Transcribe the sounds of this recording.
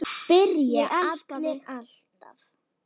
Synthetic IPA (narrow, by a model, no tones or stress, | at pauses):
pɪɾjaaaat̪lɛɣal̥t̪af